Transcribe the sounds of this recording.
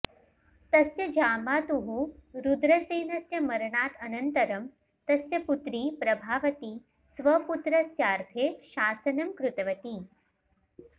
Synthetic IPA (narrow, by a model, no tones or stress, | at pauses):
t̪ɐsjɐd͡ʒaːmaːt̪uɦuɾud̪ɾɐseːnɐsjɐmɐɾɳaːt̪ɐnɐnt̪ɐɾɐm | t̪ɐsjɐput̪ɾiːpɾɐbʱaːʋɐt̪iː | sʋɐput̪ɾɐsjaːɾt̪ʰeːʃaːsɐnɐmkɾʊt̪ɐʋɐt̪iː